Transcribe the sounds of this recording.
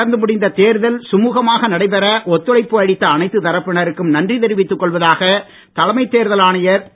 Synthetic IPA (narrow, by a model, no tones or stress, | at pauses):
ɐɾnd̪ɯmʊɽɪnd̪ɐt̪eːɾɯðɐlsʊmuːɣɐmaːɣɐnɐɽɐɪpɛɾɐʔɔt̪ːɯlɐɪpːɯɐɽɪt̪ːɐːnɐɪt̪ːɯt̪ɐɾɐpːɪɳɐɾɯkːɯmnɐndrit̪ɛɾɪʋɪt̪ːɯkːɔɭʋɐðaːɣɐ | t̪ɐlɐmɐɪt̪ːeːɾðɐlaːɳɪjɐɾ